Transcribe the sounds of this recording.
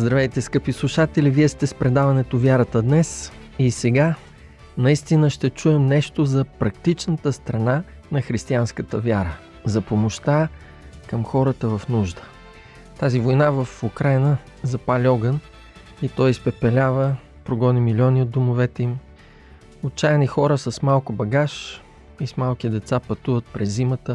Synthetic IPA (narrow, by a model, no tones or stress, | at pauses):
zd̪ɾɐvɛjt̪ɛskɤpislˠʊʃat̪ɛliviɛst̪ɛspɾɛd̪avɐnɛt̪ovjaɾət̪əd̪nɛs | isɛɡa | nɐist̪inəʃt̪ɛt͡ʃuɛmnɛʃt̪ozɐpɾɐk̚t̪it͡ʃnət̪əst̪ɾɐna | nɐxɾist̪ianskət̪əvʲjaɾə | zɐpomoʃt̪a | kɐmxɔɾət̪əvɐfnuʒd̪ə̥ | t̪azivojnavəfukɾajnə | zɐpalʲiɔɡən | it̪ɔjspɛpɛlʲavə | pɾoɡɔnimilʲiɔniod̪̚omʊvɛt̪ɛim | ot͡ʃajɛnixɔɾəsəsmalˠkʊbɐɡaʃ | ismalˠk̟id̪ɛt̪sapɐt̪uvət̪̚pɾɛzːimət̪ə